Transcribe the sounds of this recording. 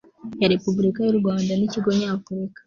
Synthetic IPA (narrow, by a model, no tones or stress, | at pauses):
jaɾepubulikajoɾuwaːndaniciɡoɲaːfuɾikḁ